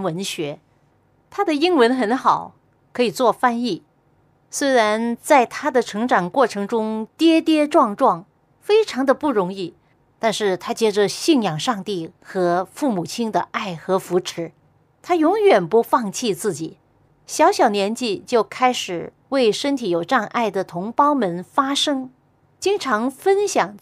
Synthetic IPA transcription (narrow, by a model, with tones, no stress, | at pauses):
wə˧˥nɕɥɛ˧˥ | t̪ʰa˥d̪ə˨i˥ŋwə˧˥nxə˧˥nxɑ˨˩˦ʊ | kʰɤ˧˥i˨˩t͡swɔ˥˧fa˥ni˥˩ | swe˥ɪɻa˧˥nt͡sa˥˩ɪt̪ʰa˥d̪ə˨ʈ͡ʂʰɤ˧˥ŋʈ͡ʂɑ˨˩ŋkwɔ˥˩ʈ͡ʂʰɤ˧˥ŋʈ͡ʂʊ˥ŋt̪jɛ˥t̪jɛ˥ʈ͡ʂwɑ˥˧ŋʈ͡ʂwɑ˥˩ŋ | fe˥ɪʈ͡ʂʰɑ˧˥ŋd̪ə˧pu˥˩ɻʊ˧˥ŋi˥˩ | t̪a˥˧nʂɻ̩˥˩t̪ʰa˥t͡ɕjɛ˥ʈ͡ʂə˧ɕi˥˩ŋjɑ˨˩ŋʂɑ˥˧ŋt̪i˥˩xɤ˧˥fu˥˩mu˨˩t͡ɕʰi˥nd̪ə˧ʔa˥˩ɪxɤ˧˥fu˧˥ʈ͡ʂʰɻ̩˧˥ | t̪ʰa˥jʊ˧˥ŋjɥɛ˨˩npu˧˥fɑ˥˧ŋt͡ɕʰi˥˧t͡sɹ̩˥˩t͡ɕi˨˩˦ | ɕjɑ˧˥ʊɕjɑ˨˩ʊnjɛ˧˥nt͡ɕi˥˧t͡ɕjo˥˩ʊkʰa˥ɪʂɻ̩˨˩ | we˥˩ɪʂə˥nt̪ʰi˧˥jo˨˩ʊʈ͡ʂɑ˥˧ŋʔa˥˩ɪd̪ə˩t̪ʰʊ˧˥ŋpɑ˥ʊmə˧˥nfa˥ʂɤ˥ŋ | t͡ɕi˥ŋʈ͡ʂʰɑ˧˥ŋfə˥nɕjɑ˨˩ŋ